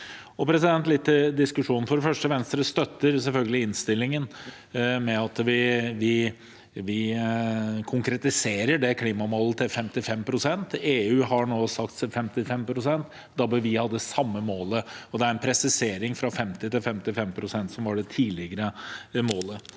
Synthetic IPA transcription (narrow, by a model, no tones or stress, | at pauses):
ɔpʰɾɛsɪd̪ɛnt̪lɪt̪ʰːɪld̪ɪskʉʂuːnn̩fɔɖɛfœʂʈəʋɛnst̪ɾəst̪œt̪ːəɾsɛlfœlɡəlɪɪnst̪ɪlːɪŋən | mɛɑt̪ʋɪʋɪ | ʋɪ | kʰʊŋkɾɛt̪ɪseːɾəɖɛkʰliːmɑmoːlət̪ʰɪlfɛmt̪ɪfɛmpʰɾʊsɛnt̪eːʉːhɑɳoːsɑkt̪sɛfɛmt̪ɪfɛmpʰɾʊsɛnt̪ | d̪ɑbəʋɪhɑd̪ːəsɑmːəmoːləɔd̪ɛæɾɛnpʰɾɛsɪseːɾɪŋfɾɑfɛmt̪ɪt̪ɪlfɛmt̪ɪlfɛmpʰɾʊsɛnt̪sɔmʋɑɖɛt̪ʰiːlɪɡəɾəmoːlə